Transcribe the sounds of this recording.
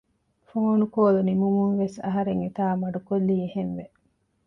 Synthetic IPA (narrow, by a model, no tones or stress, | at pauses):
foonukoːlunimumunʋesɐ̰ɦɐɾeŋit̪aːmɐɖukolːiːehenʋe